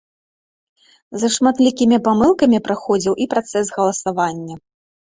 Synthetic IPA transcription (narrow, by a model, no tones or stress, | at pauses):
zɐʂmat̪lʲikʲimʲipamɨlˠkɐmʲipɾaxɔd͡zʲiwʔipɾat̪sɛsɣɐlˠɐsavanʲːɐ